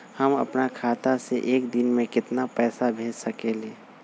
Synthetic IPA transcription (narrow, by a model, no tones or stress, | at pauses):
həmə̰pnakʰaːt̪aseʔeːkd̪ɪnmẽkɪt̪napɛːsabʱeːd͡ʒsəkeleː